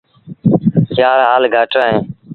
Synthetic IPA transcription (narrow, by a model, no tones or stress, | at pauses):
t͡ʃjaːɾɦaːlɡʱaːʈãːɦẽː